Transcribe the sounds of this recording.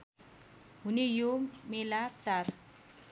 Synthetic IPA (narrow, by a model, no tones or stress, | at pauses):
ɦunejomelat͡sar